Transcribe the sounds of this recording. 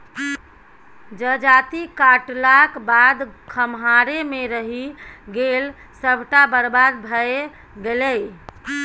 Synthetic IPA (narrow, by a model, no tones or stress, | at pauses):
d͡ʒəd͡ʒat̪ikaʈlakbad̪kʰəmɦaɾemeɾəɦiɡel | səbʱʈabəɾbad̪bʱəe | ɡeləj